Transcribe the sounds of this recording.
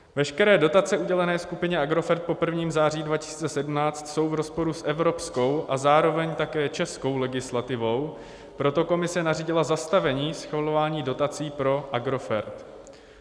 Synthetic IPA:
vɛʃkɛɾɛːdo̞t̪at͡sɛuɟɛlɛnɛːskupɪɲɛaɡɾo̞fɛɾt̪̚po̞pr̩vɲiːmzaːr̝iːdvacɪ̥si̥ːt͡sɛsɛdumnaːt͡st̪so̞wvɾo̞spo̞ɾusʔɛvɾo̞psko̞wʔazaːɾo̞vɛɲt̪akɛːt͡ʃɛsko̞wlɛɡɪslat̪ɪvo̞w | pɾo̞t̪o̞ko̞mɪsɛnariːɟɪlazast̪avɛɲiːsxvalo̞vaːɲiːdo̞t̪at͡siːpɾo̞ʔaɡɾo̞fɛɾt̪

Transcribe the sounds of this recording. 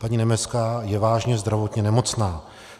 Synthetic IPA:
paɲinɛmɛt͡skaːjɛvaːʒɲɛzd̪ɾavo̞t̪ɲɛnɛmo̞t͡snaː

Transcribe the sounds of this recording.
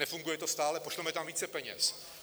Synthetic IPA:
nɛfuŋɡujɛt̪o̞st̪aːlɛpoʃlɛmɛt̪amviːt͡sɛpɛɲɛ̰s

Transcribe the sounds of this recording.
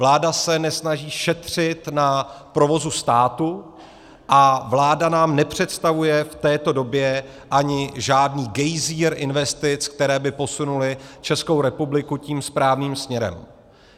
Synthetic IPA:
vlaːdasɛnɛsnaʒiːʃɛt̪r̝̥ɪt̪napɾo̞vo̞zust̪aːt̪u | ʔavlaːdanaːmnɛpr̝̥ɛt̪st̪avujɛft̪ɛːt̪o̞do̞bjɛ | ʔaɲɪʒaːdniːɡɛjziːɾʔɪnvɛst̪ɪt͡sk̚t̪ɛɾɛːbɪpo̞sunulɪt͡ʃɛskowɾɛpublɪkuciːmspɾaːvniːmsmɲɛɾɛ̰m

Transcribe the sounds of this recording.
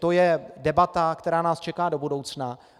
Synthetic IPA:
t̪o̞jɛdɛbat̪akt̪ɛɾaːnaːst͡ʃɛkaːdo̞budo̞wt͡sna

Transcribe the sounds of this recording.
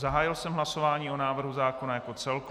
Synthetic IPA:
zaɦaːjɪlsɛmɦlaso̞vaːɲiːo̞naːvr̩ɦuzaːko̞najako̞t͡sɛlk

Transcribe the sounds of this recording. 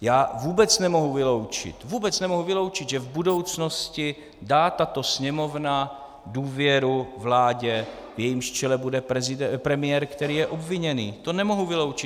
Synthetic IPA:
jaːvuːbɛt͡snɛmo̞ɦuvɪlo̞wt͡ʃɪ̰t̪vuːbɛt͡snɛmo̞ɦuvɪlo̞wt͡ʃɪd̪ʒɛvbudo̞wt͡sno̞scɪ | daːt̪at̪o̞sɲɛmo̞vna | duːvjɛɾuvlaːɟɛ | vjɛjimʃt͡ʃɛlɛbudɛpɛzɪdɛpɾɛmɪjɛːɾkt̪ɛɾiːjɛʔo̞bvɪɲɛniːt̪o̞nɛmoɦuvɪlo̞wt͡ʃɪt̪

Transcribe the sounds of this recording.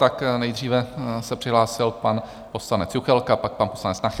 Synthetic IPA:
t̪aknɛjd̪r̝iːvɛsɛpr̥ɪɦlaːsɪlpan | po̞slanɛt͡sjuxɛlkapak̚panposlanɛt͡snax

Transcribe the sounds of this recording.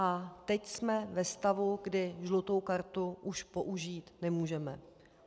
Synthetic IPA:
ʔat̪ɛcsmɛvɛst̪avuɡdɪʒlut̪o̞wkaɾt̪uʔuʃpo̞ʔuʒiːt̪nɛmuːʒɛmɛ

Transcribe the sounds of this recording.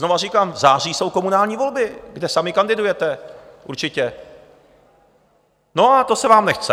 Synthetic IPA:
zno̞var̝iːkaːmzaːr̝iːso̞wko̞munaːlɲiːvo̞lbɪɡdɛsamɪkandɪdujɛt̪ɛʔṵɾt͡ʃɪcɛ | no̞at̪osɛvaːmnɛxt͡sɛ

